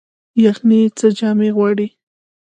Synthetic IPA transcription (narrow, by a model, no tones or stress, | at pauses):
jaxnit͡sad͡ʒameɣwaɽi